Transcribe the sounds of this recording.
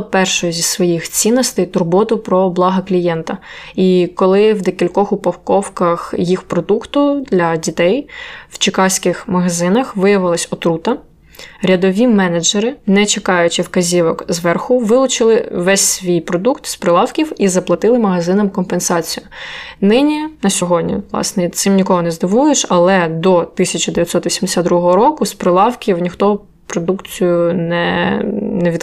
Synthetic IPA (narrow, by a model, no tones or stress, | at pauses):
pɛrʃʊjʊzʲissʋɔjixt͡sʲinːɔst̪ejt̪ʊrbɔt̪ʊpɾɔblˠɑɦɐklʲijɛnt̪ɐikɔlˠɪwd̪ekʲilʲkɔxʊpɐwkɔwkɐxjixpɾɔd̪ukt̪ʊd̪lʲɐdʲit̪ɛjw̥t͡ʃɪkɑsʲkɪxmɐɦɐzɪnɐxʋɪjɐʋɪlˠɐsʲɔt̪ɾut̪ɐ | ɾʲɐd̪ɔʋʲimɛnɐd͡ʒeɾɪnɛt͡ʃekɑjʊt͡ʃɪwkɐzʲiʋɔkzʋɛrxʊʋɪlˠʊt͡ʃɪlˠɪʋɛsʲsʋʲijpɾɔd̪ukt̪spɾɪlˠɑwkʲiwizɐplˠɐt̪ɪlˠɪmɐɦɐzɪnɐmkɔmpensɑt͡sʲijʊnɪnʲinɐsʲɔɦɔdʲnʲḭʋlˠɑ̰snɛt̪sɪmnʲikɔɦɔnɛzd̪ɪʋujeʃɐlˠɛd̪ɔt̪ɪsʲɐt͡ʃɐd̪eʋʲjɐt̪sɔt̪ʋʲisʲimd̪esʲad̪d̪ɾuɦɔɦɔɾɔkʊspɾɪlˠɑwkʲiwnʲixt̪ɔ | pɾɔd̪ukt͡sʲijʊnɛ | nɛʋʲid̪